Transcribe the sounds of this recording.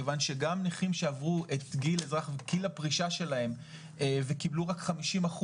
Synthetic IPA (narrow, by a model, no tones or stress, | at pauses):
vanʃeɡamniχimʃeavʁuʔe̞t̪ɡilezʁaχveɡilapʁiʃaʃe̞lae̞m | evekibluʁakχamiʃimaχu